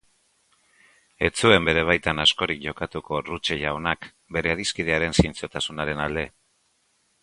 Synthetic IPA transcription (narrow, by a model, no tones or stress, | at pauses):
e̞t͡sue̞mbe̞ɾe̞β̞ajt̪anasko̞ɾikʝo̞kat̪uko̞rut͡ʃeʝaonak | be̞ɾe̞aðiskið̞e̞aɾe̞nsint͡sot̪asunaɾe̞nald̪e̞